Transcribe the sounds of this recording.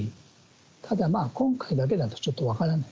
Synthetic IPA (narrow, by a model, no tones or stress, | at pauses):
i | t̪ʰad̪amaːkõ̞ŋkaid̪ak̬e̞d̪at̪ːo̥t͡ɕo̞t̪ːo̞βakaɾanai